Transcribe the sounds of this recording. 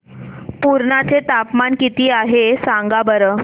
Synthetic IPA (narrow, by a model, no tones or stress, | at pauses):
puɾɳat͡set̪apmankit̪iːaɦesaŋɡabəɾəː